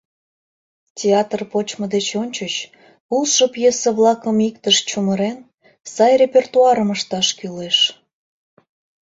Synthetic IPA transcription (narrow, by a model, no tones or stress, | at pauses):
tʲeɑt̪rpot͡ɕməd̪et͡ɕonʲt͡ɕət͡ɕ | ulʃəpjesəβlɑkəmikt̪əʃt͡ɕuməɾen | sɑjrʲepʲert̪uɑɾəməʃt̪ɑʃkyleʃ